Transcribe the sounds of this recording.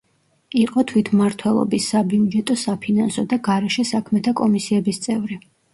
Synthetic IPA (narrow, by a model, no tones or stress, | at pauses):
iqʼɔt̪ʰwit̪ʰmaɾt̪ʰwɛlˠɔ̰bisːabid͡ʒɛt̪ʼɔsapʰinansɔd̪aɡaɾɛʃɛsakʰmɛt̪ʰakʼɔmisiɛbist̪sʼɛvɾi